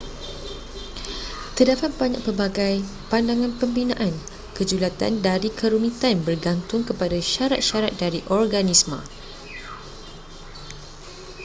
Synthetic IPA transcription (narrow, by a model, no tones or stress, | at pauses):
t̪ədapat̪̚baɲa̰ʔpərbaɡaj | pandaŋãnpəmbinã̰ʔan | kəd͡ʒulat̪a̰ndaɾikʰəɾunĩt̪anbərɡant̪ʊŋkəpadaʃaɾat̪̚ʃaɾat̪̚daɾiʔɔrɡanismə̰̃